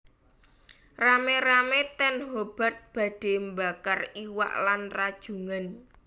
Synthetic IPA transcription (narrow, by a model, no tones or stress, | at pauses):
rameɾamet̪ɛnɦob̥a̤rt̪̚b̥ä̤ɖ̥e̤mbakariwa̰ʔlanrad̥ʒ̥ṳŋan